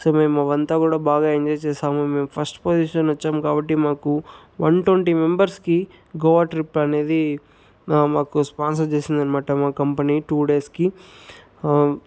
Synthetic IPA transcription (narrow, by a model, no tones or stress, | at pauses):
soːmeːmɐʋɐnt̪akuːɽabaːɡɐeɲd͡ʒɔjt͡ʃeːsaːmɐmeːmpʰɐsʈpoːd͡ʒiːʃɐnʋɐt͡ʃːaːmkaːbɐʈːimaːku | ʋɐɳʈoɳʈimembɐɾski | ɡoːʋaːʈɾipːɐneːd̪i | maːkuspaːnsɐɾt͡ʃeːsind̪ɐnimaːʈɐmaːkɐmpɐniʈuːɖeːski